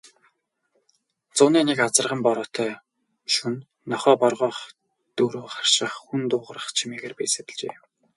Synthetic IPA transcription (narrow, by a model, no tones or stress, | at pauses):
t͡sʊːniːnekat͡sə̆rʁə̆mpɔɾɔːt̪ʰœː | ʃunː | ɔχɔːpɔrʁɔːχ | t̪ɵɾoːχḁr̥ʃɪə̆χxunt̪ʊːʁə̆rə̆χt͡ɕʰimeːɣeːrpæjset̪ɘ̆ɮt͡ɕḛː